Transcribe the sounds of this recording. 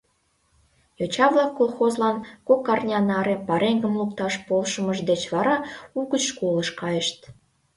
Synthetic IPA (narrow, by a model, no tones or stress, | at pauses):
jot͡ɕɑβlɑkːolˠxozlɑnkokːɑrnʲɑnɑɾepɑɾeŋɡəmlukt̪ɑʃpolʃəməʒd̪et͡ɕβɑɾɑuɣət͡ɕʃkoləʃkɑjəʃt̪̚